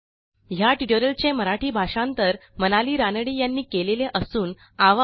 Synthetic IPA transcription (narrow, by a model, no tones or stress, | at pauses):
ɦjaʈiʈoɾəlt͡ɕeməɾaʈʰiːbʱaʂãnt̪əɾmənaliːɾanəɽiːjanːiːkeleleʔəsuːn | aʋa